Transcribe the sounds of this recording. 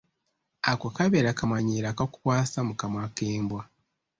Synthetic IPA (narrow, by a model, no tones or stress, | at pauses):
akwakaβeɾakamwaɲiːɾakaku̥kwaːsamukamwakeːmbwa